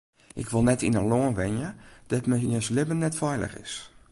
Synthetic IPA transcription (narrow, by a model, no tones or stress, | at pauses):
ʔɪkʋolˠnɛtʰinəloənʋɛnjəd̥ɔtmɛiəslɪbənːɛtfɛjlə̰xɪ̰s